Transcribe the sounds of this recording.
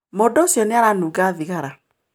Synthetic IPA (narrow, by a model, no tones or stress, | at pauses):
modoːsjɔneaɾanuɡaðiɣaɾa